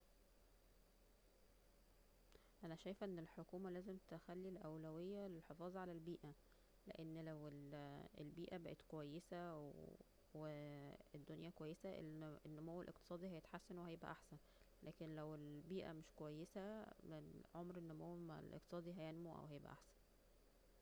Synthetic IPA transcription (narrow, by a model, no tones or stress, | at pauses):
ʔænæʃæjfʔenːelħokuːmælæːzemt̪exælːilʔæwlæwejːælelħefɑːzˤɑʕalælbiːʔæ | lḛʔenːlæwelelbiːʔæbæʔet̪kowæjːesæw | weed̪ːonjækowæjːesæenːomowːelʔeq̚t̪e̥sˤɑːd̪ˤihæjet̪ħasːænwehæjebʔæ̰ʔaħsæn | læːkenlæwelbiːʔæ̰meʃkowæjːesæeʕomɾenːomowælʔḛqt̪esˤɑːd̪ˤiɦæjænmuʔæ̰whæjebʔæ̰ʔa̰ħsæ̥n